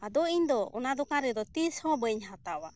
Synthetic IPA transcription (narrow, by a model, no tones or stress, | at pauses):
ad̪ɔiɲd̪ɔɔ̰nad̪ɔkaɾɛd̪ɔt̪ishɔ̃bəɲɦat̪awa